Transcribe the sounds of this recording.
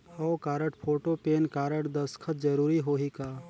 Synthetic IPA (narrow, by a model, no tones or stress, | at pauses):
ɔʊkaːɾəʈpʰoːʈopeːnkaːɾəʈd̪əskʰət̪̚d͡ʒəɾuːɾiɦoːɦikaː